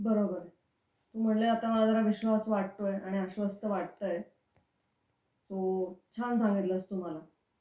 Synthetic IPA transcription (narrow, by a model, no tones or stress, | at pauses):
bəɾobəɾ | t̪uːm̤əɳleat̪aməlad͡zəɾaʋiɕʋasʋaɽt̪ojaɽ̃iəɕʋəst̪əʋaɽt̪əj | tot͡ɕʰansãŋɡit̪ləst̪um̤ala